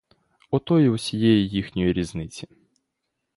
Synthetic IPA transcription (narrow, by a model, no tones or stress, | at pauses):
ɔt̪ɔjiwsʲijɛjijixnʲɔjiɾʲiznɪt͡sʲi